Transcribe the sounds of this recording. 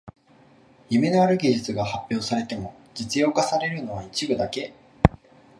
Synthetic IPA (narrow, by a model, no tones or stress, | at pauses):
jɯ̟me̞no̞aɾɯ̟ɡʲiʑit͡sɨɡahapʲːjo̞ːsaɾe̞t̪e̞mo̞ | d͡ʑit͡sɨjo̞ːkasaɾe̞ɾɯ̟no̞βait͡ɕibɯ̟d̪ake̞